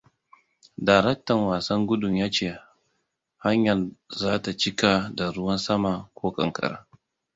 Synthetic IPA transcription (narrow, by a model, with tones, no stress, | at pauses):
daː˨ɾɛ˦k̚tɐ˨ŋwaː˨sɐ˦ŋɡʷʊ˦dʊ˨mjaː˦t͡ʃeː˦˨ | ha˦ɲjɐ˨nzaː˦ta˨t͡ʃɪ˦ka˨da˨ɾʊ˦wɐ˦nsɐ˦ma˨kʷoː˦kʼɐ̰˨ŋkʼɐ̰˨ɾa̰ː˦